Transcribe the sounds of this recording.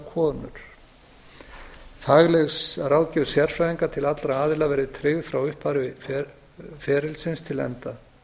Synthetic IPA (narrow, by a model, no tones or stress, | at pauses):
kʰɔːnʏ̰ɾ̥ | θaɣlɛɣsaɾawlcɛðsjɛɾ̥fɾajðiŋkat̪ʰɪlat̪lɾaaːðɪlavɛːɾɪt̪ʰɾɪɣðfɾawʏhpaɾɪf | fɛːɾɪlsɪnst̪ʰɪlɛ̰nt̪a